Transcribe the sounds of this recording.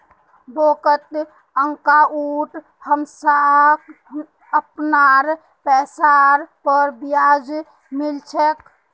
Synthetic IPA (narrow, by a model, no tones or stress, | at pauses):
boːkət̪ | əŋkaʔuːʈ | həmsak | əpnaɾ | pɛːsaɾpəɾbijad͡ʒ | mɪlt͡ʃʰək